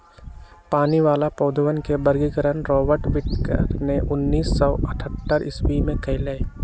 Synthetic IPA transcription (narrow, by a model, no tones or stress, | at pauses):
paːniʋaːlapɔːd̪ʱəwənkebəɾɡiɡəɾənɾɔːbəɾʈʋɪʈkə̰ɾneʔʊnːiːsːɔːɐʈʰət̪ːəɾɪswimẽkəɪlee